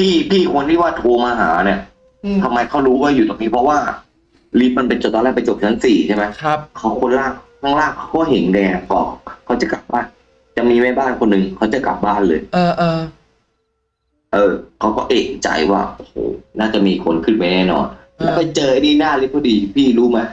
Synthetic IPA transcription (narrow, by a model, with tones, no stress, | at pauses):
pʰiː˥˩pʰiː˥˩kʰo˧nt̪ʰiː˥˩waː˥˩t̪ʰoː˧maː˧ɦa̰ː˩˦ni˧˩ɐ | t̪ʰa˧mːa˧jkʰa˦˥wɾuː˦˥waː˥˩juː˨˩ɔː˧˩ŋniː˦˥pʰɾɔ˦˥waː˥˩ | li˦˥p̚ma˧npe˧nt͡ɕo˨˩t̪ːɔː˧lɛː˥˩pa˧jt͡ɕo˨˩p̚t͡ɕʰa˧˦˥ŋsiː˨˩t͡ɕʰa˥˩ma˦˥jʰkʰa˦˥wkʰo˧nlaː˥˩ŋkʰaː˥˩ŋlaː˥˩ŋkʰːa˦˥wkɔː˥˩ɦe˩˦nlaː˧a˧˩kɔː˧˩kʰa˦˥wt͡ɕa˨˩ka˨˩p̚baː˥˩n | t͡ɕa˨˩ʔmiː˧mɛː˥˩baː˥˩nkʰo˧nːɯ˨ŋkʰa˦˥wt͡ɕa˨˩kla̰˨˩p̚baː˥˩nlɤː˧jʔ | ʔɤː˧˩kʰa˦˥wkɔ̰ː˥˩ʔe˨˩t͡ɕa̰˧˩jwa̰ː˥˩ʔo˧˩ho̰ː˨˧˩naː˥˩t͡ɕa˨˩miː˧kʰo˧nkʰɯ˥˩ma˧˦nɛː˥˩nɔ̰ː˧n | lɛ˦˥˩pa˧jt͡ɕɤː˧ʔa˧˦niː˥˩naː˥˩˨li˦˥p̚kʰːa˦˥˩diː˧pʰiː˥˩ɾuː˦˥ma˦˥˩